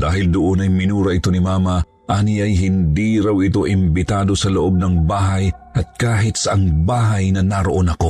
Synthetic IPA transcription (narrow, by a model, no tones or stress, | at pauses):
d̪aːɦɪld̪ʊʔonɐjmɪnuːɾɐʔɪt̪onimaːmɐ | ʔaːniɐjɦɪnd̪iɾawɪt̪o̞ʔɪmbɪt̪aːd̪o̞sɐloʔo̞b̚nɐŋbaːɦɐjʔɐt̪̚kaːɦɪt̪sɐʔɐŋbaːɦɐjnɐnaɾoʔo̞nɐko̞